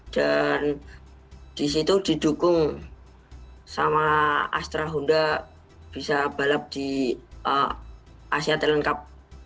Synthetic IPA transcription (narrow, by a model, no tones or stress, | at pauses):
d̥an | d̥is̬it̪ud̥i̤dukʊŋ | samaa̰st̪ɾaɦunda | b̥isab̥alap̚d̥iə | asiat̪ɛləŋkap̚